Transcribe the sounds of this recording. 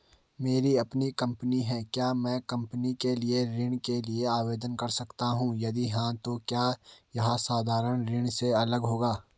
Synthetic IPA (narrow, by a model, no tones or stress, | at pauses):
meːɾiɐpnikɐ̃mpəniɦɛːkjaːmɛ̃ːkɐ̃mpənikelieɾɪ̃ɳ̃kelieaːʋeːd̪ənkɐɾsɐkt̪aɦũjɐd̪iɦãt̪okjaːjɐɦasaːd̪ʱaːɾəɽ̃ɾɪɳ̃seɐləɡɦoːɡaː